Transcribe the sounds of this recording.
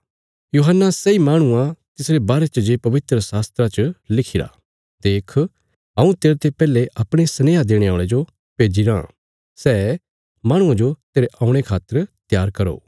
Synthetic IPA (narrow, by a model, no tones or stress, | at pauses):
juːɦənːasɛimaːɽ̃ʊãt̪ɪsɾebaːɾet͡ʃəd͡ʒeːpɐʋɪt̪ɾəsaːst̪ɾat͡ʃəlɪkʰiɾa̰ | d̪eːkʰ | ɐũt̪eːɾet̪epɛːleʔɐpɽ̃esɐneːɦad̪eːɽ̃eaːɭed͡ʒo | peːd͡ʒiɾã̰ | sɛː | maːɽ̃ʊ̃ãd͡ʒot̪eːɾeʔãːʊ̃ɽ̃ekʰaːt̪ːəɾt̪jaːɾkɐɾo̰ː